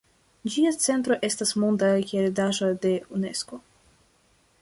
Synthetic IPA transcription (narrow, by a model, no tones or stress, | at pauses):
d͡ʒiat͡se̞ntɾo̞ʔe̞stasmondakʲeɾedaʒode̞une̞sko̞